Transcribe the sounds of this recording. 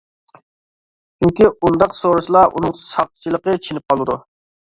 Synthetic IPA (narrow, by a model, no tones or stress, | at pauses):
t͡ʃʰyŋkʲiund̪ɑqsoɾuʃlˠɑʔṵnɨŋsʰɑχt̪ʰt͡ʃʰilˠəqət͡ʃʰenɪp̚qʰɑlˠɨd̪ṵ